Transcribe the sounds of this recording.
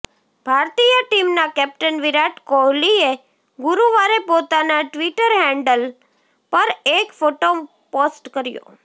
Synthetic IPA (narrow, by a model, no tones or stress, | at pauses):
bʱaɾt̪ijəʈimnakɛp̚ʈənʋiɾaʈkolie | ɡʊɾuʋaɾepot̪anaʈʋiʈəɾɦɛɳɖəl | pəɾekfoʈo | posʈkəɾjo̰